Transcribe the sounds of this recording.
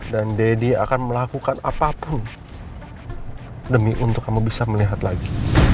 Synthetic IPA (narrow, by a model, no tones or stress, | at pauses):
dandedia̰kanməlakukanapapʊn | dəmiʔunt̪ʊkːamubisaməliɦat̪laɡi